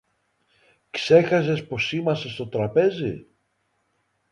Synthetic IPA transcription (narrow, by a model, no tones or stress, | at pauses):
kse̞xɐs̬e̞spo̞simɐsest̪o̞t̪ɾɐpe̞zḭ